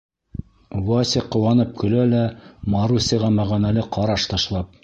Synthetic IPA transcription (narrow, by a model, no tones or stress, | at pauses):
wɑsʲeqŏwɑnɤp̚kɵ̆lælæmɑɾusʲiʁɑmæʁɑnælɘqɑɾɑʃt̪ɑʃlˠɑp̚